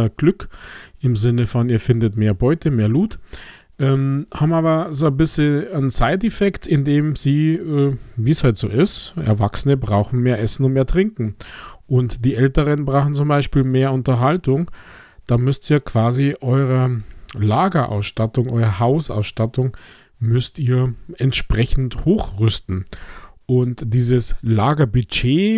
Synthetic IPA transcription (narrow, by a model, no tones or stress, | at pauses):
ɡ̥lʏkɪmzɪnəfɔniːɐfɪndətmeːɐbɔʏtəmeːɐluːt | ʔɛmhaːbmaːbɐzoːnbɪsləənt͡saɪt̬ɛfɛktɪndeːmziːɛviːshɔʏtz̥o̰ːʔɪstʔɛ̰ɐvaksənəbʁaʊxn̩meːɐʔɛsn̩ʊntmeːɐtʁ̥ɪŋkŋ̩ʔʊntd̥iːʔɛltəʁənbʁaːχn̩t͡sʊmbaɪʃpiːlmeːɐʊntɐɦaltʊŋ | d̥aːmʏstiːɐkv̥aːziʔɔʏʁəlaːɡɐʔa̰ʊsʃtatʊŋʔɔ̰ʏʁəhaʊsa̰ʊsʃtatʊŋ | mʏstiːɐɛntʃpʁ̥ɛçn̩thoːxʁʏstn̩ʔʊntd̥iːzəslaːɡɐbyt͡ʃeː